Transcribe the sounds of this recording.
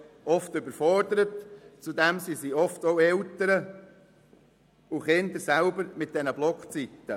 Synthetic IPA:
ɔftʏbəɾfɔrdəɾətt͡sudɛmsisiɔftoʊɛltəɾə | uχɪnd̪əɾsælbəɾmɪt̚d̥ɛnəblɔkχt͡sitːə

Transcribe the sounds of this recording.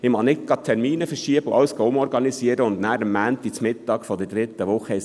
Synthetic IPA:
ɪmɑnɪtɡ̥ɑt̪ʰɛɾmiːnəfəɾʃiəbəʊʔɑwəsɡ̥ɑʊmɔɾɡɑnisiːəɾəʊnd̪næːɾəmːænt̪ːit͡smɪtːɑːɡfɔdɛd̥ɾɪt̪ːəʋʊχəɪ

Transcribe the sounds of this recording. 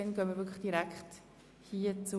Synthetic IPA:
ɛnɡ̥øːnmiɾvʏkʰləχd̥iɾɛkχt | hiːət͡su

